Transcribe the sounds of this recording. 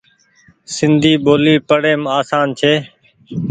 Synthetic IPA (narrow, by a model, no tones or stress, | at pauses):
sɪnd̪ʱiːɓoːliːpəɽeːmaːsaːnt͡ʃʰeː